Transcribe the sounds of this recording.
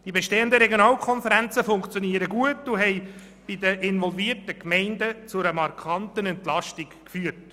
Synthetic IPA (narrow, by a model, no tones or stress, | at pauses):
d̥ibeʃteːəndəɾɛɡjonɑːlkʰχɔnfəɾænt͡səfʊŋkt͡sjoniəɾəɡuətʊɦɛɪ | b̥idəʔɪnvɔlviːrtəkmɛɪndət͡sʊɾəmɑɾkχɑntənɛntlɑʃtɪk | fyərt